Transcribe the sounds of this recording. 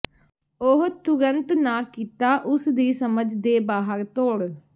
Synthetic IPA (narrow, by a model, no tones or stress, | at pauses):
oɦt̪ʊɾənt̪naːkiːt̪aːʔʊsd̪iːsəməd͡ʒd̪eːbaːɦəɾt̪oːɽ